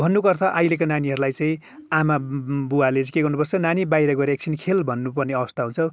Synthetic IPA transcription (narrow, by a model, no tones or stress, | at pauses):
bʱʌnːukʌrt̪ʰʌʔajlekonaniɦʌɾulajt͡saĩ | amabuwaleĩkeɡʌrnupʌrt͡sʰʌnanibajɾʌɡʌɾeek̚sʰinkʰelbʱʌnːupʌrneʌβʌst̪aɦũnt͡sʰʌw